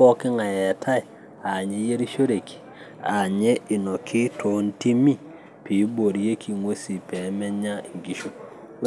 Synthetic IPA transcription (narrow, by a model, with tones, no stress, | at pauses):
ɔ˦kɪ˦ŋa˨jɛ˨tʰa˦ɪ˨ | a˨ɲe˦je˦ɾi˦ʃo˦ɾe˨ki̥˨ | a˨ɲɛ˦i˨nɔ˨kʰɪ˦tʰo˨˦nti˦mi˦˨ | pi˨˦bo˨ɾje˦ki˨ŋwe˦si˨pɛ˨˦mɛ˦ɲa˦i˨ŋɡi˨ʃu˦